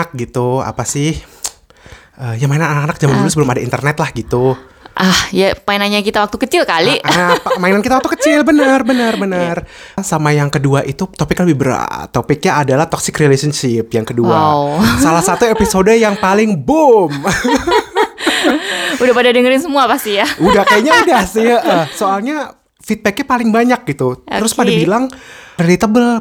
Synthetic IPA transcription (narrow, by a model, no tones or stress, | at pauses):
k̚ɡit̪ua̰pasɪh | ʔəːjaŋmainananakanak̚d͡ʒamand͡ʒulʊsbəlʊmadaḭnt̪ərnɛt̪lahɡit̪u | ʔahjamainanɲakit̪awak̚t̪ukət͡ʃɪlkalipamainankit̪aakt̪ukət͡ʃɪlbənərbənərbənərsamajaŋkəduaʔit̪ut̪opɪkləbɪhbər̰t̪opɪk̚ɲaːdalaht̪ɔksɪkrilesənʃɪp̚jaŋkədua̰salahsat̪uepisodəjaŋpalɪŋbʊm | udahpadadəŋəɾɪnsəmuapast̪ijaudahkajaɲaudahsiʔəhsoalɲa | fit̪̚bɛk̚ɲapalɪŋbaɲak̚ɡit̪ut̪əɾʊspadabilaŋrelit̪əbəl